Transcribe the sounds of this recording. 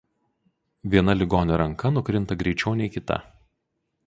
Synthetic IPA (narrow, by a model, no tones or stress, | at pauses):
ʋʲiɛnɐlʲɪɡoːnʲɛɾɐŋkɐnʊkɾʲɪnt̪ɐɡɾʲɛɪt͡ʃʲɛʊnʲɛɪkʲɪt̪ɐ̰